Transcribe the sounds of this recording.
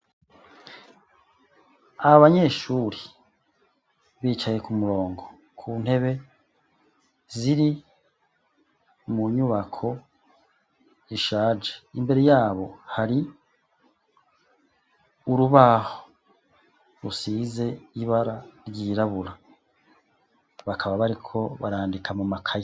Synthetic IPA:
aaβaɲe̞ːʃuːɾi | βiːt͡ʃaje̞kumuɾo̞ːŋɡo̞ | kʰun̥he̞βe̞ | ziɾi | muɲuβakʰo̞ | iʃaːd͡ʒeimbe̞ɾe̞jaːβo̞haɾi | uɾuβaːho | ɾusiːze̞iβaɾaɾɟiːɾaβuɾa | βakʰaβaβaɾikʰo̞βa̰ɾaːndikʰamumakʰaje

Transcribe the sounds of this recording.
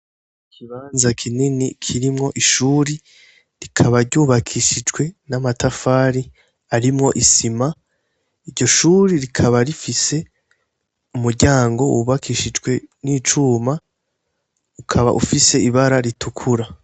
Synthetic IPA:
ikʰiβaːnzakʰininikʰiɾimŋo̞ʔiʃuːɾi | ɾikʰaβaɾɟuːβakʰiʃid͡ʒɡwe̞namatafaːɾi | aɾimŋo̞ʔisima | iɾɟo̞ʃuːɾiɾikʰaβaɾifise̞ | umuɾɟaːŋɡo̞ṵβakʰiʃid͡ʒɡwe̞nit͡ʃuːma | ukʰaβa̰ʔṵfise̞iβaɾaɾitʰukʰuɾa

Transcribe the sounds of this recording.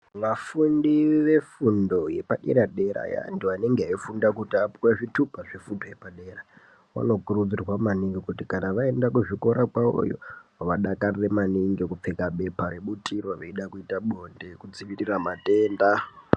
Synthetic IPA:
ʋafundiʋe̞fundo̞je̞paɗḛɾaɗe̞ɾa̰ja̰ntuaneŋɡeaifundakutiapuwaʐitupaʐefundoje̞paɗe̞ra | ʋa̰no̞kurud͡zirwamaniŋɡekutikanaʋae̞ndakuʐiko̞ɾakwao̰jo̰ʋaɗakariremaniŋɡekup͡fekaɓe̞paɾeɓutʰirwaʋeiɗakuitaɓonde̞kud͡zimiriramateːnda

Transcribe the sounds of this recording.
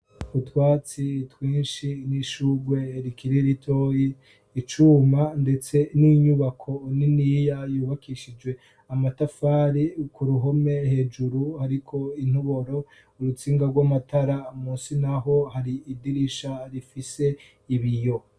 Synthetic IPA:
utwaːt͡sitwiːnʃiniʃuːɡwe̞ɾikiɾiɾitʰo̞jiː | t͡ʃuːmande̞t͡se̞niɲuβakʰo̞niniːjajuːβakiʃid͡ʒɡwe̞ | amatafaːɾikuɾuɦo̞me̞he̞ːd͡ʒuɾuhaɾikʰo̞in̥uβo̞ɾo̞ | uɾut͡siːŋɡaɾɡwamatʰaɾamuːsinaɦo̞haɾiːdiɾiʃaɾifise̞ | iβijo̞

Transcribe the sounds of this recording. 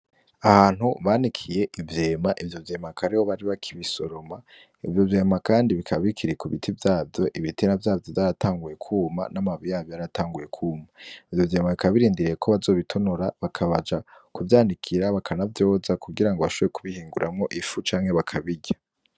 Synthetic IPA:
ahaːn̥huβaːnikʰije̞ʔivje̞ːmaʔivjo̞vje̞ːmakaɾihoβaɾiβakʰiβisoɾo̞ma | ivjo̞vje̞ːmakaːndiβikʰaβikʰiɾekuβitʰivjaːvjo̞ʔiβitʰinavjaːvjo̞vjaɾatʰaːŋɡuje̞kʰuːma̰namaβijaːβjojaɾatʰaːŋɡuje̞kʰuːmaivjo̞vjeːmaβikaββiɾiːndiɾiekʰoβazo̞ːβitʰonuɾaβakʰaβad͡ʒakuvjaːndikʰiɾaβakʰanavjo̞ːzakuɡiɾaŋɡoβaʃoβoekʰuβihiːŋɡuɾʔamŋo̞ʔifut͡ʃaːŋ̥he̞βakʰaβiɟa

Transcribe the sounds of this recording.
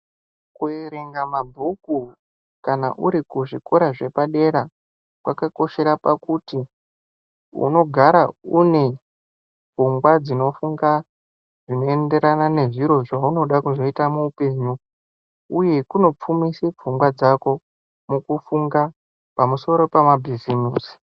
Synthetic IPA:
kueɾeŋɡamabʱuku | kana̰ʔuɾikuʐikoɾaʐe̞paɗe̞ɾa | kwakako̞ʃe̞ɾapakuti | ṵno̞ɡʱaɾaune̞ | b͡vuŋɡwad͡zino̞fuŋɡa | ʐino̞e̞nde̞ɾanane̞ʐiɾo̞ʐauno̞ɗakuʐo̞itamuːpe̞ːɲu | uje̞kuno̞p͡fumiseb͡vʱuŋɡwad͡zako̞ | mukufuŋɡa | pamuso̞ɾo̞pamabʱizimuːsi̥

